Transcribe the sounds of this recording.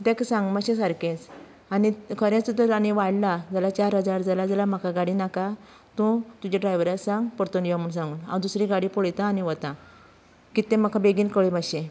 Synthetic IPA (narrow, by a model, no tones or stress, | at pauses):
d̪eksãŋɡməɕẽs̬aɾkẽt͡s | anikʰəɾãt͡sut̪əɾaniʋaɽlad͡zalat͡ɕaɾɦəd͡zaɾd͡zalad͡zalam̤akʰaɡaɽinaka | t̪ũt̪ud͡ʑaɖɾajʋəɾasãŋɡpɔɾt̪onjeʋamuɳs̬ãŋɡuːnã̰d̪usɾiɡaɽipoɭjt̪aːniʋət̪ã | kit̪ẽməkʰabeɡiːnkəɭibaɕẽ